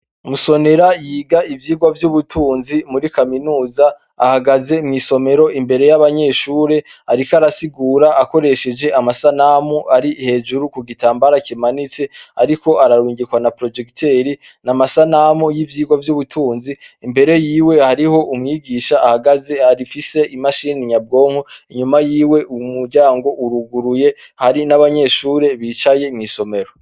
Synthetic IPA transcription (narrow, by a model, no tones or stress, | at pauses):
umuso̞ne̞ɾajiːɡaivjiːɡwavjuβutʰuːnzimuɾikaminuːza̰ː | haɡaze̞mŋiːso̞me̞ɾo̞ʔimbe̞ɾe̞jaβaɲe̞ːʃuːɾe̞ | aɾikaɾasiɡuːɾaʔako̞ɾe̞ʃe̞d͡ʒe̞ʔamasanamuʔaɾihe̞ːd͡ʒuɾukuɡitaːmbaɾakimanit͡se̞aɾiko̞ʔaɾaɾwiːŋɡikwanapɾo̞d͡ʒe̞ktʰe̞ɾi | namasanamujivjiːɡwavjuβutʰuːnziːmbe̞ɾe̞jiːwe̞haɾiho̞ʔumŋiɡiːʃaʔːhaɡaze̞haɾifise̞ʔimaʃiniɲab̚ɡo̞ːŋ̥huiɲumajiːwe̞ʔumuɾɟaːŋɡo̞ʔuɾuɡuɾuje̞ | haɾinaβaɲe̞ʃuːɾe̞βiːt͡ʃaje̞imŋiso̞me̞ɾo